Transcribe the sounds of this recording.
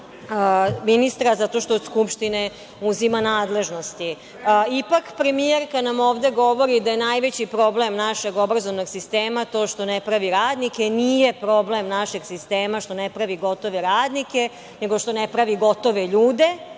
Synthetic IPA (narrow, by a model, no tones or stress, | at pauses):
əminist̪ɾazat̪o̞ʃt̪oːd̪skupʃt̪ine̞ | uzimanaːd̪le̞ʒno̞st̪i | ipakpɾe̞mijeɾkanamoːʋd̪e̞ɡo̞ʋo̞ɾid̪aje̞najʋe̞t͡ɕipɾo̞ble̞mnaʃe̞ɡo̞bɾazoʋnoɡsist̪eːmat̪o̞ːʃt̪o̞nepɾaʋiɾaːd̪nike̞nije̞pɾo̞ble̞mnaʃeɡsist̪eːmaʃt̪o̞nepɾaʋiɡo̞t̪o̞ʋeɾaːd̪nike̞ | neɡo̞ʃt̪o̞nepɾaʋiɡo̞t̪o̞ʋe̞ʎuːd̪e̞